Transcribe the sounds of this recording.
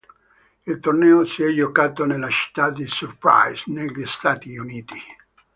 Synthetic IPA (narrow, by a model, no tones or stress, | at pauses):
ilt̪ornɛːosiɛd͡ʒːokaːt̪onelːat͡ʃi̥t̪ːad̪isurpɾa̰jsneʎːist̪aːt̪iuniːt̪i